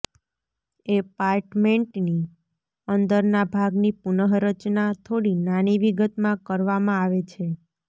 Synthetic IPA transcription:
epaɾʈmeɳʈni | ənd̪əɾnabʱaɡnipunəɦɾət͡ʃnat̪ʰoɽinañiʋiɡət̪mãkəɾʋamãaʋet͡ʃʰe

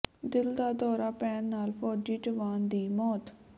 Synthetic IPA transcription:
d̪ɪld̪aːd̪ɔːɾaːpɛːnːaːlpʰɔːd͡ʒiːʈəʋaːnd̪iːmɔːt̪

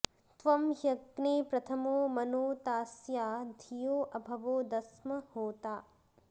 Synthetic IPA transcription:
t̪ʋɐmjɐɡneːpɾɐt̪ʰɐmoːmɐnoːt̪aːsjaːd̪ʱijoːʔɐbʱɐʋoːd̪ɐsmɐhoːt̪aː

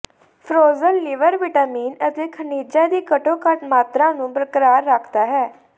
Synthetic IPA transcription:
pʰɾoːzəlːɪʋəɾʋɪʈaːmiːnət̪eːkʰəniːd͡ʒaːd̪iːkəʈõːkəʈmaːt̪ɾãːnũːbɾəkɾaːɾːəkʰd̪aːɦɛː

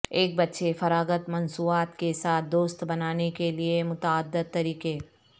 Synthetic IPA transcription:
eːk̚bɐt̪ːʃefɐɾaːɡət̪mɐnsuːaːt̪kesaːt̪̚ʰd̪oːst̪bɐnaːnekeliemʊt̪aːd̪ːəd̪̚t̪ːɐɾiːqeː

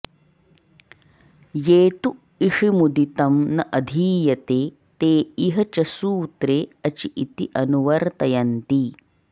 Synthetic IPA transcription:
jeːt̪u | iʂimud̪it̪ɐmnɐʔɐd̪ʱiːjɐt̪eː | t̪eːiɦɐt͡ʃɐsuːt̪ɾeːɐt͡ʃiʔit̪iʔɐnuʋɐɾt̪ɐjɐnt̪i

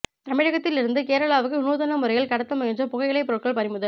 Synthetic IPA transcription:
t̪ɐmɪɻɐɣɐt̪ːɪlɪɾɯnd̪ɯkeːɾɐɭaːʋɯkːɯʊnuːðɐnɐmʊɾɐɪjɪlkɐɽɐt̪ːɐmʊɣɐɲd͡ʒɐpʊɣɐɪɪɭɐɪpːɯɾɯʈkɐɭpɐɾɪmʊðɐl

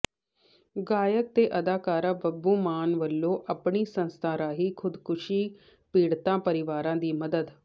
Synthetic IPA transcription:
ɡaːjək̚t̪eːʔəd̪aːkaːɾãːbəbːuːmaːnʋəlːõːʔəpɳiːsə̃nst̪ʰãːɾaːɦiːkʰʊd̪kʊʃiː | piːɽt̪ãːpəɾɪʋaːɾãːd̪iːməd̪əd̪

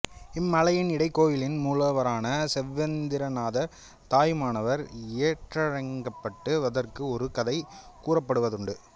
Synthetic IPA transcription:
ɪmːɐlɐjɪnɪɽɐɪkːoːjɪlɪnmuːlɐʋɐɾaːnɐsɛʋːɛnd̪ɪɾɐnaːðɐɾ | t̪aːjmaːnɐʋɐɾeːʈrɐɻɐŋɡɐpːɐʈːɯʋɐðɐrkɯɔɾɯkɐðɐɪkuːrɐpːɐɽɯʋɐðɯɳɖɯ

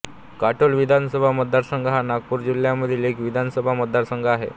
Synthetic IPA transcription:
kaʈolʋid̪ʱansəbʱaməd̪ːaɾsəŋɡəɦanaɡ̚puːɾd͡ʑiljaməd̪ʱilekʋid̪ʱansəbʱaməd̪ʱːaɾsəŋɡʱaɦḛ

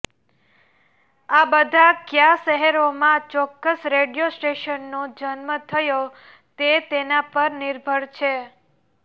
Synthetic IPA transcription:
abəd̪ʱakjaʃəɦeɾomãt͡ʃɔkːəsɾeɖijosʈeʃənːod͡ʒənmət̪ʰəjo | t̪et̪enapəɾnɪɾbʱəɽt͡ʃʰe

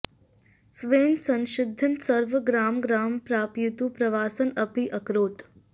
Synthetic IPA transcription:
sʋeːnsɐ̃nʃɪd̪ʱːənsəɾʋəɡɾaːmɡɾaːmpɾaːpjut̪upɾɐʋaːsənɐpiʔɐkɾoːt̪

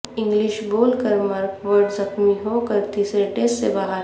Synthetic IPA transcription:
ɪ̃ŋɡlɪʃboːlkəɾmaːɾkʋəɾɖzɐxmiɦoːkəɾt̪iːsɾeʈeːssebaːɦəɾ

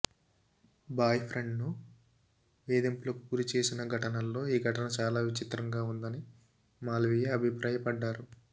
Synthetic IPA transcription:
baːjpʰɾeɳɖnu | ʋeːd̪impulɐku̥puɾit͡ʃe̞ːsinɐɡʱɐʈɐnɐlːo̞ːiːɡʱɐʈɐnɐt͡ʃaːlaːʋit͡ʃit̪ɾɐŋɡaːund̪ɐni | maːlʋijeɐbʱipɾʔaːjɐpɐɖːaːɾu

